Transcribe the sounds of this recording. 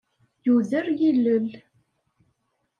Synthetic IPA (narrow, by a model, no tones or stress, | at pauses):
juðəɾjilːəl